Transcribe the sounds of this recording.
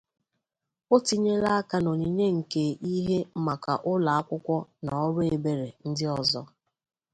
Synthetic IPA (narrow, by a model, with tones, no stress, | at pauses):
o˦ti˦ɲe˦la˦a˦ka˦no˨ɲi˨ɲe˦ŋ̩˨ke˨ʔi˦ɦe˦m̩˦ma˨ka̰˨ʔʊ˦la˨a˦kʷʊ˦kʷɔ˦na˨ɔ˦ɾʊ˦e˨be˨ɾe˨n̩˦dɪ˦ɔ˨zɔ˦